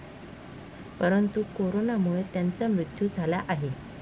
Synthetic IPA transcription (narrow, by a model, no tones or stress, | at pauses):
pəɾənt̪ukoɾonamuɭet̪jant͡samɾut̪jud͡zʱalaʔaɦe